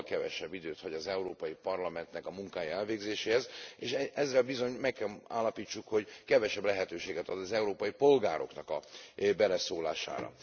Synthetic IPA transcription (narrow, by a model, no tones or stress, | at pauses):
lkɛvɛ̰ʃɛbːid̪øːt̪hɒɟɒzɛuɾoːpɒjipɒrlɒmɛnt̪nɛkɒmuŋkaːjɒɛlveːɡzeːʃeːhɛzeːʃɛzːɛlbizo̞ɲmɛkːɛla̰ːlːɒpiːt͡ʃːukho̞ɟkɛvɛʃɛblɛɦɛt̪øːʃeːɡɛt̪ɒd̪ɒzɛuɾoːpɒjipo̞lɡa̰ːɾo̞̰knɒkɒbɛlɛsoːla̰ːʃa̰ːɾɒ̰